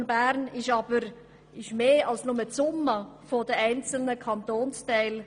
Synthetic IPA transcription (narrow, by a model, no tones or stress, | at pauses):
nbæɾnɪʃɑb̥əɾ | ɪʃmeːɑlsnʊmət͡sʊmːəfodəɛɪnt͡sl̩nəkʰɑnt̪oːnstɛɪl